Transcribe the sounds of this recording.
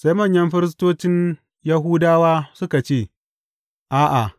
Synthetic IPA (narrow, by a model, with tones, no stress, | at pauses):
sa˦jmɐ˦˨ɲjɐ˦mɸɪ˦ɾɪ˦s̬toː˦t͡ʃɪ˦n | jɐ˦ɦuː˦daː˦waː˦sʊ˦ka˨t͡ʃeː˦˨ | ʔaː˦ʔa˨